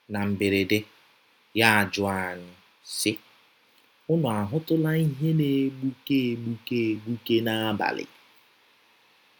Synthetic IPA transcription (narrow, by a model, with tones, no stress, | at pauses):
na˨m̩˨be˨ɾe˨de˦ | ja˦a˨d͡ʒʊ˨a˦˨ɲɪ˨ | sɪ˦ | ʊ˦nʊ˨a˨ɦʊ˦tʊ˦la˦i˦ɦe˦ne˨˦ɡ͡bu˦ke˦˨ɡ͡bu˦ke˦˨ɡ͡bu˦ke˦na˦a˦ba̰˨lɪ̰˨